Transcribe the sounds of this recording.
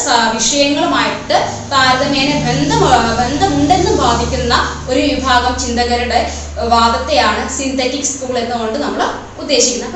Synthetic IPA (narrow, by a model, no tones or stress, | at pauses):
sʋiʂɐjɐŋːɐɭumaːjiʈːɨ | t̪aːɾɐðɐmeːnebʱend̪ɐbʱe̞nd̪ɐmuɳɖe̞nːumʋaːd̪ʱikʲːunːɐ | o̞ɾuʋibʱaːɡɐmt͡ɕind̪ɐɣɐɾuɽe̞ | ʋaːd̪ɐt̪ːe̞jaːɳɨsint̪etːikskuːɭe̞nːɨkoɳɖɨnɐmːɐɭ | ud̪ːe̞ːɕikʲːunːɐ